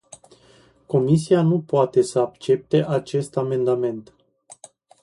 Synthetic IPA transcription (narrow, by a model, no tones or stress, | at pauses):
ko̞mis̬ianupoat̪e̞səakt͡ʃe̞p̚t̪e̞ʔat͡ʃe̞st̪ame̞nd̪ame̞nt̪